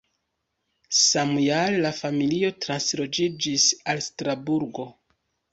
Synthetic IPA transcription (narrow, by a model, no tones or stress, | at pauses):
samjallafamilio̞tɾanslo̞d͡ʒid͡ʒisalstɾabuɾɡo̞